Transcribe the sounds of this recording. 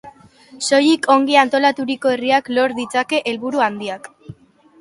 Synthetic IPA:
so̞jikʰo̞ŋɡiant̪o̞lat̪uɾiko̞e̞riaklo̞ɾðit͡sake̞ʔelβuɾuand̪iak

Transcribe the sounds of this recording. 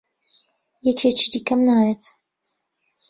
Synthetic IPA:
jɛkʰet͡ʃid̪ikɐmnaːjet̪

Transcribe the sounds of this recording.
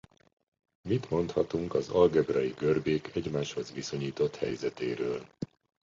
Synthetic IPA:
mit̪mo̞nt̪hɒt̪uŋkɒzɒlɡɛbrɒjiɡørbeːkʰɛɟmaːʃho̞zʋiso̞ɲiːt̪o̞t̪hɛ̰jzɛt̪eːɾøːl

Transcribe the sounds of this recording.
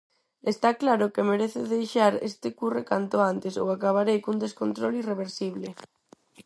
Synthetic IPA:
est̪aklaɾʊkemeɾeθɪðejʃaɾḛst̪ɪkurekant̪oant̪eso̰wakaβ̞aɾejkund̪eskont̪ɾolireβ̞eɾsiβ̞le

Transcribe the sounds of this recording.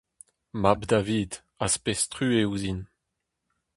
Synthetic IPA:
mabd̪aviːd̪ | aspestχyːeuzin

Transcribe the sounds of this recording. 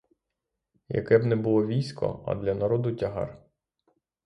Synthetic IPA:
jɐ̰kɛbnɛbʊlˠɔʋʲijsʲkʰɔ̰ɐ̰d̪lʲɐnɐɾɔd̪ʊtʲɐɦɑ̰r

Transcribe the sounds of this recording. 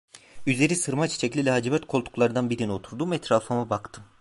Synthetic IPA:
yzle̞ɾisɯɾmat͡ʃʰi̥t͡ʃʰɛclʲilʲɛɦad͡ʒibɛt̪kʰolˠt̪ʰu̥klˠaɾɯd̪anbiɾinio̞t̪ʰuɾd̪umvɛt̪ʰɾalˠfamabakt̪ʰɯm

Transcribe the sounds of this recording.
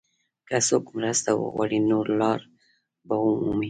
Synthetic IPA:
kasokmɾast̪awo̰ɣwa̰ɽinoɾlɑɾ | baɦumumi

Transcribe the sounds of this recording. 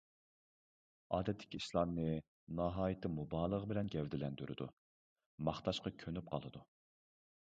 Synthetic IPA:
ɑːd̪ɛt̪ʰːɪ̥kʲiiʃlˠɑmnɨ | nɑɦɑːjit̪ʰɪmubɑːlˠəʁəbɪlɛnɡʲɛvd̪ɪlɛnd̪yɾʔɪ̰d̪ṵ | mɑχt̪ɑʃqɑkʲʰønyp̚qʰɑ̰lˠɨd̪u

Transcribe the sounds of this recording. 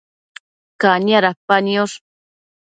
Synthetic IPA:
kaɲaɾapanjoʂ

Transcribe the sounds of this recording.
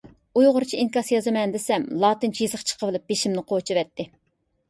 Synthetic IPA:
ujʁʊɾt͡ʃʰiiŋkɑsjɑzɨmɛnd̪ɪsɛmlˠɑːt̪ɨnt͡ʃʰijizəχt͡ʃʰə̥qʰəvɨlˠɨp̚beʃimnɪqʰot͡ʃʰivɛt̪ːɪ

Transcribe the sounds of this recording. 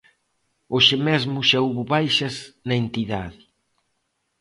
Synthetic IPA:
oʃemezmʊʃauβʊβajʃɐsnɐent̪iðaðɪ

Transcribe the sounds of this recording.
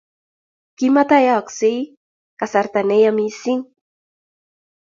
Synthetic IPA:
kimat̪ajaksij | kasaɾt̪anejamisiŋ

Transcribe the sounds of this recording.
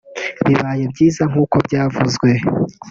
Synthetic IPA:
βiβaːje̞bɟiːzaŋ̥uːko̞bɟaːvuzɡwe̞

